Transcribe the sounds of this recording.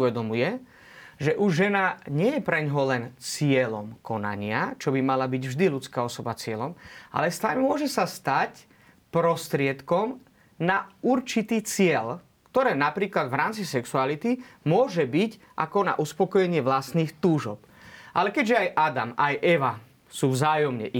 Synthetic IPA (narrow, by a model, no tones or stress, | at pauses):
uʋɛd̪ɔmujɛ | ʒɛʔuʒʒɛnaɲɪɛjɛpɾɛɲɦɔlɛnt͡sɪɛlɔmkɔna̰ɲɪat͡ʃɔbimalabiɟvʒd̪ilut͡skaːɔsɔbat͡sɪɛlɔmʔa̰lɛst̪aʎmʊɔʒɛsast̪ac | pɾɔst̪ɾɪɛt̪kɔm | nauɾt͡ʃit̪iːt͡sɪɛl | kt̪ɔɾɛːnapɾiːklad̪vɾaːmt͡sisɛksualit̪imʊɔʒɛbic | ʔa̰kɔna̰ʔuspɔkɔjɛɲɪɛʋlasniːxt̪uːʒɔ̰p | ʔalɛkɛɟʒɛajʔad̪a̰majʔɛʋa | suːvzaːjɔmɲɛ̰ʔ